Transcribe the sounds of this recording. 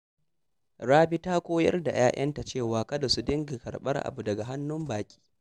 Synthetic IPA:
ɽaː˦bi˦taː˦kʷoː˦jɐ̰˦rda̰˨jaː˦jʔɐ˦nta˨t͡ʃeː˦˨waː˨kɐ˦da˨su˦dɪ˦ŋɡi˨kɐ˨rɓɐ̰˦rʔa̰˨bu˨dɐ˨ɡa˨ɦa˦nːʊ˦mbaː˨kʲʼi̥ː˦

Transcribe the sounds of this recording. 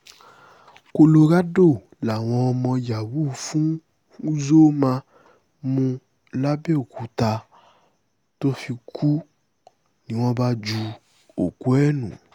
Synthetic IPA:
ko˧lo˧ɾa˦do˦˨ | la˨w̃ɔ̃˧mɔ̃˧ja˨wu˦˨fũ˦ | u˦zo˦mã˧ | mũ˧ | la˦be˦o˨ku˨ta˧ | to˦fi˧kʰu˦ | nĩ˨w̃ɔ̃˧ba˧d͡ʒu˧ | o˨ku˦ɛ˦nṵ̃˨

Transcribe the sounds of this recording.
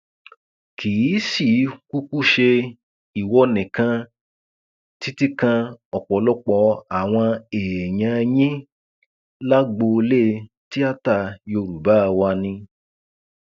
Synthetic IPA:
kʰi˨˦si˦˨˦ku˦ku˦ʃe˧ | i˨wɔ˧˦nĩ˨kã˧ | ti˦ti˦kã˧ɔ˨k͡pɔ˨˦lɔ˦k͡pɔ˧a˨w̃ɔ̃˧eː˨jã˧jĩ˦ | la˦ɡ͡bo˧le˦˧ | ti˦a˦ta˦˨jo˧˨ɾu˨ba˦˧wa˧nĩ˧

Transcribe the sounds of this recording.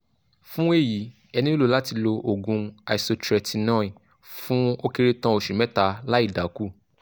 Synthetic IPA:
fũ˦e˦˨ji˨˦ | ɛ˧nĩ˦o˦lo˨˧˦la˦ti˧lo˧ʔo˨ɡũ˧a˨i˨so˧t͡ʃɾɛ˨ti˨˧˦nãː˦ĩ˨ | fũ˦o˦ke˦˧ɾe˦tã˧˦o˨ʃi˨mɛ˦ta˧la˦i˦˨da˨˦ku˦˨

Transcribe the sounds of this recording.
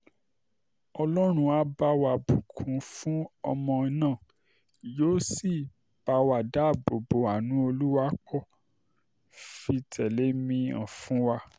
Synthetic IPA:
ɔ˧lɔ˦ɾ̃ũ˧a˧˦ba˧˦wa˧˨bũ˨kʰũ˨˦fũ˦ɔ˧mɔ̃˧i˧nãː˦˨ | joː˨˦si˦˨ | b̥a˨˦wa˨da˨˦˨bo˨bo˨˦a˨nũ˨˦o˧lu˦wa˦kɔ˦˨ | fi˧tʰɛ˨le˨˦mĩ˧ã̰˨fũ˦wa˧

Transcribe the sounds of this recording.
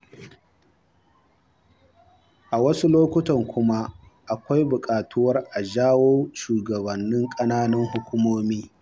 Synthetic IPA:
ʔa˨wɐ˦su˦loː˦kʷʊ˦tɐ˨ŋkʷʊ˦ma˦ | ʔa˨kʷa˦jbʊ˨kʼaː˨tu˦wɐ˦rʔa˨ʒaː˦woː˦ʃuː˨ɡɐ˨bɐ˨nːɪ˦ŋkʼɐ˦naː˦nɐ˦ŋhʊ˦kʷʊ˦moː˦miː˦

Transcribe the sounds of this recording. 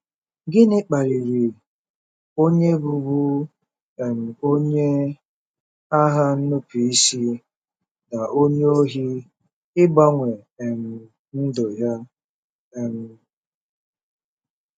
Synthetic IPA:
ɡɪ˦nɪ˦k͡pa˨ɾi˨ɾi˨ | o˦ɲe˦bu˨bu˦ | e˨m̩˨o˦ɲe˦ | a˦ɦa˦n̩˦nʊ˦pi˨i˦si˦ | da˨ʔo˦ɲe˦o˦ɦi˦ | ɪ˦ba˦ŋʷe˨m̩˨ | n̩˦do˨ja˦˨ | m̩˨

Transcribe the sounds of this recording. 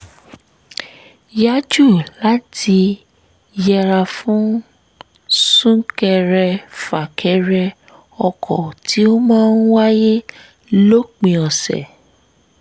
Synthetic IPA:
ja˦d͡ʒu˦˨la˦tʰi˧ | jɛ˧ɾa˧fũ˦ | sũ˦kɛ˧ɾɛ˧fa˨kʰɛ˧ɾɛ˧ | ɔ˧kʰɔ˨tʰi˨˦o˦mãː˦n̩˦wa˦je˦ | lo˦k͡pĩ˨ɔ̃˨sɛ̰˨

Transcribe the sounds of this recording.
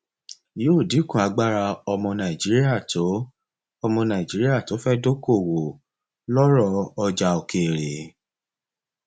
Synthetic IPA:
joː˦˨di˨˦kũ˦˨a˨˦ɡ͡ba˦ɾa˧ɔ˧mɔ̃˧nã˨i˨d͡ʒi˨˦ɾi˦a˦˨to˨˦ | ɔ˧mɔ̃˧nã˨i˨d͡ʒi˨˦ɾi˦a˦˨to˨˦fɛ˦do˦ko˦˨wo˨ | lɔ˦ɾɔ˦˨ɔ˧d͡ʒa˧o˨ke˨ɾe˨

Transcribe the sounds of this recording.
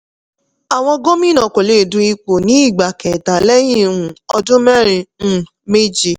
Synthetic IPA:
a˨w̃ɔ̃˧ɡo˦mĩ˦nã˨ko˨le˨˦˨dũ˧i˧k͡po˨nĩ˨˦i˦˨ɡ͡ba˨kɛ˨ta˨lɛ˦j̃ĩ˦˨ɾũ˨ɔ˧dũ˦mɛ˦ɾ̃ĩ˧˦ | me˦d͡ʒi˧˨

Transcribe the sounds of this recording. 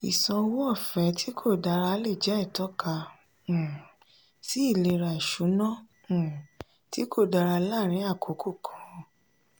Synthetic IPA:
i˨sɔ̃˧wo˦ɔ˦˨fɛ˨˦tʰi˦kʰo˦˨da˧ɾa˧˦le˦˨d͡ʒɛ˨˦ɛ˦˨tɔ˨˦kã˧˨ | si˦i˦˨le˧ɾa˨ʃu˨˦nɔ̃˦˨ | ti˦ko˦˨da˧ɾa˧la˦˨ɾ̃ĩ˨˦a˦˨kʰo˨˦kʰo˦˨kʰɔ̥̃˨˦˧

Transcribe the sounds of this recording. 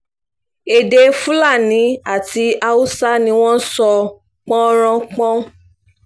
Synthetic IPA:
e˨de˧fu˦la˦˨nĩ˨˦a˦˨ti˧˦a˧u˦sa˦nĩ˧w̃ɔ̃˦n̩˦sɔ˧ | k͡pɔ̃˦ɾ̃ã˧k͡pɔ̃˦

